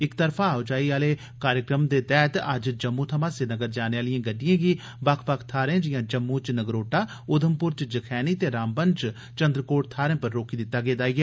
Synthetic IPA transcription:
ɪkt̪əɾpʰãːot͡ʃaːiːaːleː | kaːɾjəkɾəmd̪eːt̪ɛːt̪ɐd͡ʒd͡ʒəmːuːt̪ʰəmãːseːnəɡəɾd͡ʒaːneːaːlɪjãːɡəɖɪjãːɡiː | bakʰpakʰt̪ʰaːɾẽːd͡ʒɪjãːd͡ʒəmːũːt͡ʃnəɡɾoːʈaː | ʊd̪ʱəmpʊɾt͡ʃd͡ʒəkʰɛːniːt̪eːɾaːmbənt͡ʃ | t͡ʃənd̪ɾəkoːʈt̪ʰaːɾɛ̃ːpəɾːoːkiːd̪ɪt̪ːaːɡeːd̪aːiːɛː

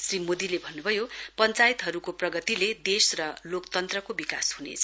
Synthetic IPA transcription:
srimod̪ilebʱʌnːubʱʌjopʌnt͡sajt̪ɦʌɾukoprʌɡʌt̪iled̪esrʌlokt̪ʌnt̪rʌkobikashunḛt͡sʰʌ

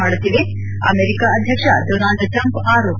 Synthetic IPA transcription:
aːɽut̪ːiːʋe | ɐ̰meːɾikaɐd̪ʱjɐkʂɐɖonaːlɖʈɾɐmpaːɾoː

